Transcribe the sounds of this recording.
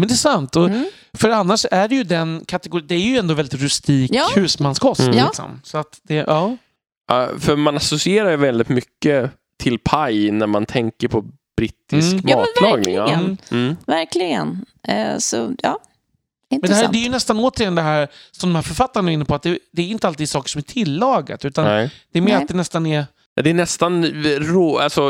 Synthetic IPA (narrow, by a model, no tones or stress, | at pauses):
mɛnd̪ɛːsant̪ɔ | fœɾanːaʂæɖɛjɵd̪ɛnkʰat̪ɛɡʊɾid̪ɛæjɵɛnd̪oːvɛlɪt̪ɾʉst̪iːkːhʉ̟ːsmanskʰɔst̪lɪksɔ̰msɔat̪d̪ɛʔɑː | afœɾmanasɔsɪeːɾaɾjɵvɛld̪ɪt̪mʏkːə | t̪ʰɪlpʰajnæɾmant̪ʰɛŋkəɾpʰɔ | b̥ɾɪt̪ːɪskmɑːɑːlɑːɡnɪ̰ | væɾklɪɡə̰n̰sɔ̰jɑ̰ː | ɪnɛnɛæd̪ɛjɵnɛst̪anoːt̪əɾjɛnd̪ɛɦæːɾsɔmd̪ɔmhæːɾfœɾfat̪ːaɾɳnaɾɪnːəpʰɔat̪̚d̪ɛd̪ɛːɾjɪnt̪əalt̪iːd̪sɑːkə̥ʂɔmæt̪ʰɪlːɑːɡa̰t̪ʉ̟ːt̪anɛd̪̥ɛːɾmɛɾad̪ɛnɛst̪anɛɾ | a̰d̪ɛːnɛst̪anɾoːalsɔ